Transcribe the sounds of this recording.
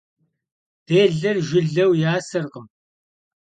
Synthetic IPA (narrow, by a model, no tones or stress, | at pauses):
d̥eːɮɐrʒɪɮɐwjaːsɐrqəm